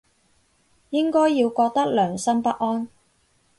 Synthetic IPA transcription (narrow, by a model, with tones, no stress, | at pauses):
jɪ˥ŋkɔː˥jːiː˧wkɔː˧k̚t̪ɐ˥k̚lœː˨˩ŋsɐ˥mpɐ˥t̚ʔɔː˥n